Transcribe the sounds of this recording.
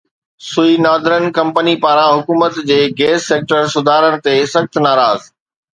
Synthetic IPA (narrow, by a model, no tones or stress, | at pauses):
sʊinaːd̪ʱɾənkɐ̃mpənipaːɾãɦʊkuːmət̪d͡ʑeːɡeːsːeːk̚ʈəɾsʊd̪ʱaːɾəñɪ̆t̪eːsɐxt̪naːɾaːz